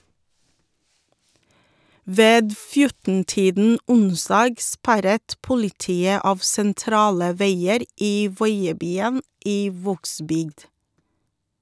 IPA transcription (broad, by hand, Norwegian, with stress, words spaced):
ˈʋeːd ˈfjʊtn̩ˌtiːdn̩ ˈʊnˌsdɑːɡ ˈspæɾət ˈpʊlɪˌtiːə ˈɑːʋ sɛnˈtɾɑːlə ˈʋeɪəɾ ˈiː ˈʋɔʏəˌbyːən ˈiː ˈʋoːɡˌsbʏɡd